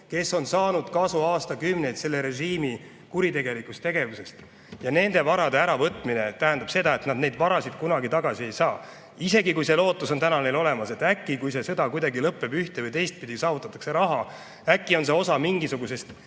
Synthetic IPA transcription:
ke̞sːo̞nsɑːnud̪̥kɑsuɑːst̪ɑkymne̞jt̪se̞lːe̞ɾe̞ʒiːmi | kuɾit̪e̞ɡe̞likˑust̪e̞ɡ̥e̞vuse̞st̪ | jɑne̞nd̪e̞vɑɾɑd̪e̞æɾɑvɤt̪ːˑmine̞t̪æɦænd̪̥ɑb̥se̞d̪ɑe̞t̪nɑd̪ne̞jd̪vɑɾɑsid̪̥kunɑɡit̪ɑɡ̥ɑsie̞jsɑː | ise̞ɡikujse̞lo̞ːt̪ːˑuso̞nt̪ænɑne̞lo̞le̞mɑse̞t̪ːˑækːikujse̞sɤd̪ɑkujd̪̥ɑɡilɤpːe̞byht̪e̞vɤjt̪e̞jst̪̚pid̪̥ʲisɑːvut̪ːˑɑt̪ːˑɑ̥kse̞ɾɑɦɑ | ækːˑio̞nse̞o̞sɑmiŋɡisuɡ̥use̞st̪

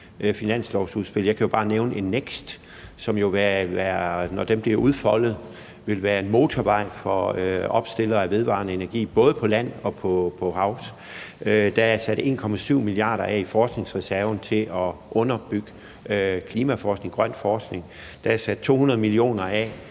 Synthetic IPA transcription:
ʔfinæn̰slɒʊsuðˠsb̥e̝ljɑ̈ɪkʰæjo̝b̥ɑ̈ːneʊnəʔe̝nːeɡ̥sd̥ | sɒ̽mjo̝ʋæʋæɐnɒd̥emb̥liɐuð̞ˠfɒ̽l̰ð̞̩ˠ | ʋe̝lʋæːɐe̝nmo̝ːt͡sʰɒʋɑ̈ɪ̰fɒøɒ̽b̥sd̥e̝lɐæʋe̝ð̞ˠʋɑ̰̈nəe̝næɐɡ̥ḭːb̥ɔ̽ːð̞̩ˠəpʰɒ̽læn̰ɒ̽pʰɒ̽pʰɒ̽hɑ̈ʊ̰s | ʔød̥ææsæd̥e̝̰ːnkʰɒ̽mæsyʊ̰miliɑ̰̈ːɾ̥ɐʔɛ̰ifɒːsɡ̥ne̝ŋsʁɛsæɐʊn̩t͡sʰe̝ʔɒʔɔ̽nɐb̥yɡ̥ə | kʰliːmæfɒːsɡ̥ne̝ŋɡ̥ʁɶn̰fɒːsɡ̥ne̝ŋ | d̥ææsæd̥̚t͡sʰo̝̰ːhunɐðˠmilio̝̰ːnɐɛ

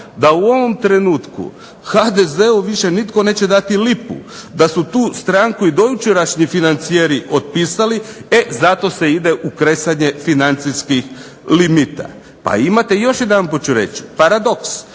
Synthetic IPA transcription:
d̪auo̞ʋo̞mt̪ɾe̞nuːt̪kṵ | xad̪eze̞uʋiʃe̞nit̪ko̞ne̞ːt͡ɕe̞d̪at̪ilipṵd̪asut̪uːst̪ɾaŋkuid̪o̞jut͡ʃeɾaʃɲifinant̪sijeɾiʔo̞t̪̚pisalie̞zat̪o̞se̞id̪e̞ʔukɾe̞saɲe̞finant̪siskix | limit̪a̰ | pa̰imat̪e̞jo̞ʃjed̪anpot͡ɕuɾe̞t͡ɕi̥paɾad̪o̞ks

